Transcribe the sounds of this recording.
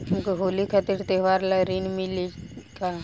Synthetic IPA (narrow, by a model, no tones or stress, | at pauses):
ɦɐmkoɦoːlikʰat̪iɾt̪eɦʋaːɾləɾinmilika